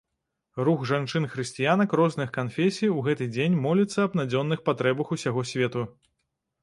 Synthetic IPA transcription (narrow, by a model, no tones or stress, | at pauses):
ruɣʐant͡ʂɨnxɾɨsʲt͡sʲijanɐkrɔznɨxkanfʲesʲijuɣɛt̪ɨd͡zʲenʲmɔlʲit̪sːɐɐbnad͡zʲɔnːɨxpat̪ɾɛbɐxusʲaɣɔsʲvʲɛt̪u